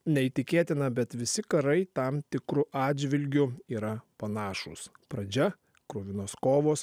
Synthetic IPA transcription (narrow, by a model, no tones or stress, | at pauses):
nʲɛiːt̪ʲɪkʲeːt̪ʲɪnɐbʲɛt̪ʋʲɪsʲɪkɐɾɐɪt̪ɐmt̪ʲɪkɾʊʔɑːd̪ʲd͡ʒʲʋʲɪlʲɡʲʊiːɾɐpɐnɑːʃṵspɾɐd͡ʒʲɛ | kɾoːʋʲɪnoːskoːʋoːs